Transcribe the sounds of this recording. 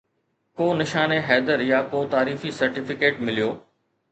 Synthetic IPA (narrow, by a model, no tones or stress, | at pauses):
koːnɪʃaːneɦɛːd̪əɾjakoːt̪aːɾiːfisɐɾʈɪfɪkeːʈmɪlijoː